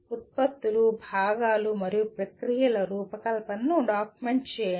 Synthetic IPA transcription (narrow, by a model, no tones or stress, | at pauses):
ut̪̚pɐt̪ːulubʱaːɡaːlumɐɾijupɾɐkɾijɐlɐɾuːpɐkɐlɐpɐnːuɖaːkumeɳʈt͡ʃɛː